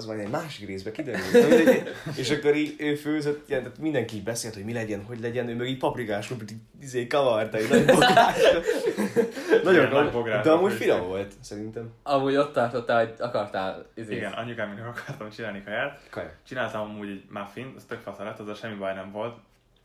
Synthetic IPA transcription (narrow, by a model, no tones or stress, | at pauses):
zmajd̪ɛɟmaːʃikreːzbɛkid̪ɛɾyltmɛeːʃɒkːoɾiːøːføːzøt̪ːjɛnt̪at̪mind̪ɛŋkiːɟbɛseːlt̪ho̞ɟmilɛɟɛnɦo̞ɟlɛɟɛnøːmøɡiːc̚pɒprikaːʃlupt̪i | izeːkɒvɒrt̪ɒinomboɡɾaːʃ | nɒɟoboɡɾaaːd̪ɛɒmuːɟfinɒmvo̞lt̪sɛɾint̪ɛmɒmuːɟo̞t̪ːɒrt̪ot̪ːaːloɟɒkɒrt̪aːlizeiɡɛnɒ̰ɲːukaːminɛkɒkʰɒrt̪ɒmt͡ʃinaːlnikɒjaːt̪kɒj̰t͡ʃinaːlt̪ɒmɒmuːɟɛɟmafinɛst̪økfɒt̪ɒlɛt̪ːɑzɛʃɛmːibɒjnɛɱvo̞lt̪